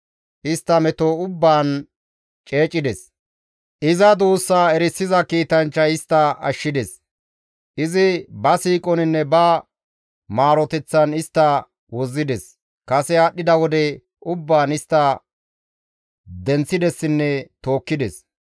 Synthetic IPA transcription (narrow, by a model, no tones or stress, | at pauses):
ʔɪst̪ːɐmɛt̪oːʊbːaːn | t͡ʃʼe̞ːt͡ʃʼːɪd̪ɛs | ʔɪzɐd̪uːsːaːɛɾɪsːɪzɐkiːt̪ɐnt͡ʃːɐɪst̪ːɐɐ̰ʃːɪd̪ɛs | ʔɪzɪbɐsiːkʼɔnɪnːɛbɐ | maːɾɔt̪ɛt͡sːɐnɪst̪ːɐ | wɔzːɪd̪ɛs | kɐsɛaːɗːɪd̪ɐwɔd̪ɛ | ʊbːaːnɪst̪ːɐ | d̪ɛnt͡sːɪd̪ɛsːɪnːɛt̪o̞ːkːɪd̪ɛs